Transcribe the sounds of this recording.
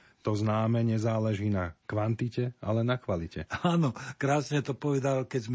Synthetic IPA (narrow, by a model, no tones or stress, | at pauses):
t̪ɔznaːmɛɲɛzaːlɛʒiːnakʋant̪icɛa̰lɛnakʋalicɛ̰aːnɔkɾaːsɲɛt̪ɔpɔʋɛd̪alkɛzm